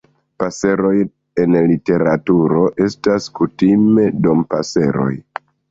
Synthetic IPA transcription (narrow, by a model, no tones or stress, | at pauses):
pase̞ɾo̞j | e̞nlite̞ɾatuɾo̞ʔe̞staskutime̞dompa̰se̞̰ɾo̞̰j